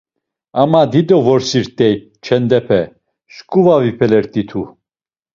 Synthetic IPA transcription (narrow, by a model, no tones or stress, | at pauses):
amad̪id̪ɔvɔɾsiɾt̪ʼɛj | t͡ʃʰɛnd̪ɛpʰɛ | ʃkʼuvavipʰɛlɛɾt̪ʼit̪ʰu